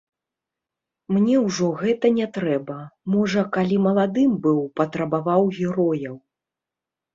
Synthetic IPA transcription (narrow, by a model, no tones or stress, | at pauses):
mnʲɛwʐɔɣɛt̪ɐnʲɛt̪ɾɛbɐmɔʐɐkalʲimɐlˠad̪ɨmbɨwpɐt̪ɾɐbavawɣʲɛɾɔjɐw